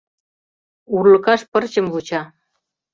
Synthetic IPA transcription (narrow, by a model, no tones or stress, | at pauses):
urlɤ̆kɑʃpɤ̆rt͡ɕɤ̆mβut͡ɕɑ